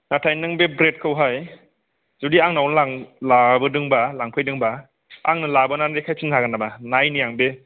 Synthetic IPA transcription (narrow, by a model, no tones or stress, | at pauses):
natʰajnɯŋbebɾet̚kʰɯwɦaj | z̥udiaŋnawnlaŋlabɐdɯŋbɐlaŋpʰɯjdɯŋba | a̰ŋnɐlabɐnanɾekʰajpʰinkaɡanːabanajnijaŋbe